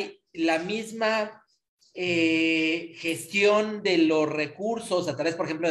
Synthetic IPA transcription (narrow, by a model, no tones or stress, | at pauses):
j | lamizma | e | xe̞st̪jo̞nd̪e̞lo̞sre̞kuɾso̞sat̪ɾaβe̞spoɾexemplo